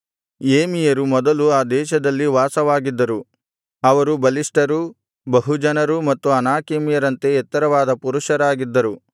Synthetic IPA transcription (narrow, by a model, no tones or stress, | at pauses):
eːmijɐɾumɔd̪ɐluaːd̪ɛːʃɐd̪ɐlːiʋaːsɐʋaːɡid̪ːɐɾu | ɐʋɐɾubɐliʂʈɐɾu | bɐɦud͡ʒɐnɐɾumɐt̪ːuɐnaːkeːmijɐɾɐnt̪e̞ɛt̪ːɐɾɐʋaːd̪ɐpuɾuʃɐɾaːɡid̪ːɐɾu